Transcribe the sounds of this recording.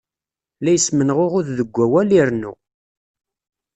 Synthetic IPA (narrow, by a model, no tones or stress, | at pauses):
læjəsmənʁoʁʊððəɡʷːæwæliɾnṵ